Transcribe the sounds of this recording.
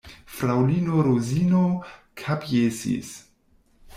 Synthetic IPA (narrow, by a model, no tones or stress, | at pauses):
fɾawlinoɾozinokʰapjesḭs